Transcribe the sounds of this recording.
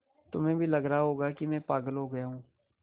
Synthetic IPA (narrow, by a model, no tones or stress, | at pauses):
t̪ʊmẽːbʱiːləɡɾaɦoːɡaːkimɛ̃ːpaːɡəlɦoːɡəjaːɦũː